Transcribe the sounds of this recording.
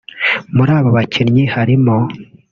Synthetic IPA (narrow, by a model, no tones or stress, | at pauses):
muɾaːβoβacʰinɲihaɾimo